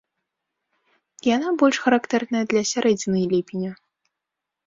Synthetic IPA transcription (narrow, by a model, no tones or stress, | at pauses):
janabɔlʲʂxɐɾakt̪ɛrnɐjɐd̪lʲɐsʲaɾɛd͡zʲinɨjlʲipʲinʲɐ